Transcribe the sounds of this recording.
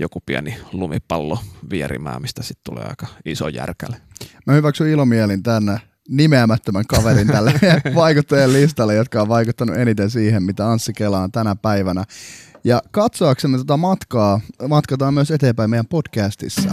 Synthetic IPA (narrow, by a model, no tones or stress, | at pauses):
jokupiænilumipɑlːoʋiæɾḭmæ̰ːmist̪æ̥sit̪t̪ulḛːɑ̰ikɑ̥iso̰jæ̰rkælemæhyʋæksyilomielint̪æn | nimeæmæt̪ːømæŋkɑʋeɾint̪ælːeʋɑikut̪ːɑjellist̪ɑlːejot̪kɑoʋʋɑikut̪ːɑnṵʔenit̪ensiːhemmit̪æɑnsːikelɑːnt̪ænæpæiʋænæjɑkɑt̪soɑksemːet̪ot̪ɑmɑt̪kɑːmɑt̪kɑt̪ɑːmyøset̪eːmpæimeijæmpod̥kæːst̪ḭsːæ̰